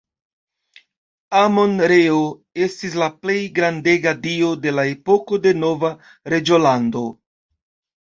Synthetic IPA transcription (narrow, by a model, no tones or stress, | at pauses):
amo̞nɾeoe̞stis̬laple̞jɡɾande̞ɡadio̞de̞lae̞po̞ko̞de̞no̞va | ɾe̞d͡ʒolando̞